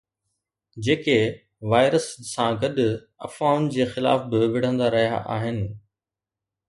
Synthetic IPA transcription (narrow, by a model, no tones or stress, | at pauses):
d͡ʑeːke | ʋaːɪɾəsːãɡɐɗʊ | ɐ̰faːʊn̆d͡ʑeːxɪla̰ːfbɪʋɪɽ̤ə̃nd̪aɾɐɦija̰ʔa̰ːɦɪnɪ̆